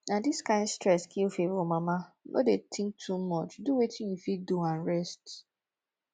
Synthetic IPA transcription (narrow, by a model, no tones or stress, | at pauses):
nadiskãɪ̃ndstɹɛskʰilfevɔmamanʔo̰detʰɪ̃ŋk̚tʰumɔt͡ʃduwetʰĩnjufiduãnɹɛst